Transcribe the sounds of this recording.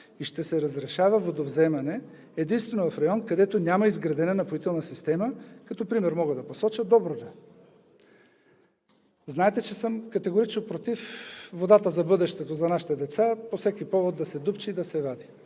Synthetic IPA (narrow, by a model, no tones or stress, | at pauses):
iʃt̪ɛsɛɾɐzɾɛʃavɐvod̪ovzɛmɐnɛ | ɛd̪inst̪vɛnovɐfɾɐjɔnkɐd̪ɛt̪onʲamɐizɡɾɐd̪ɛnɛnɐpoit̪ɛlˠnɐsist̪ɛməkɐt̪ɔpɾimɛɾmɔɡəd̪ɐposɔt͡ʃəd̪ɔbɾod̪ɛ | znaɛt̪ɛt͡ʃɛsəmkɐt̪ɛɡoɾit͡ʃnopɾot̪ifvod̪at̪əzɐbɤd̪ɛʃt̪ɛt̪ozɐnaʃi̥t̪ɛd̪ɛt̪saposɛkipɔvod̪ːɐsɛd̪upt͡ʃiːd̪ɐsɛvad̪i